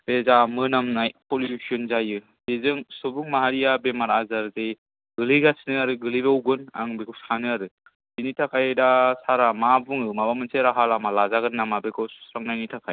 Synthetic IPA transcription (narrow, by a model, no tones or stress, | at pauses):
b̥ezamɯnamnajpɔljsʰiɔnzajɯ | bezɯŋsɔbuŋmaɦaɾijabemaɾazaɾzej | ɡɯlɯɡasnɯaɾɯɡɯlɯjbeɔwɡɯna̰ŋbekʰusanɯaɾɯ | zinitʰakʰajdasaɾamabuŋɯmabamɯnseɾaɦalamalazaɡɯnːamabekʰɯssɾaŋnajnitʰakʰaj